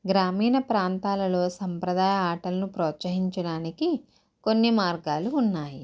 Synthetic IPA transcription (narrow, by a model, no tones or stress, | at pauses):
ɡɾaːmiːnɐpɾaːnt̪aːlɐlo̞ːsɐmpɾɐd̪aːjɐaːʈɐlɐnupɾoːt̪sɐɦiɲt͡ʃɐɽaːniki | konːimaːɾɡaːluːnːaːji